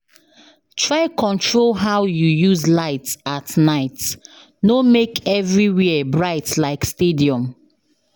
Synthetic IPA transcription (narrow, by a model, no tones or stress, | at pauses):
tʰɹaɪkʰɔ̃ntʰɹolɦaʊjujuzlaɪtsatnaɪt | nomekɛvɹiwiəbɹaɪtlaɪkstediɔ̃m